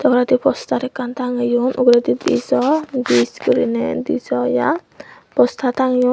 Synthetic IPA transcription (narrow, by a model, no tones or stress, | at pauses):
t̪akɾat̪ipɔst̪aɾekant̪aŋjunʔṵɡɾat̪id̪ḭsɔnd̪iskuɾined̪isɔja | pɔst̪ʰat̪aŋju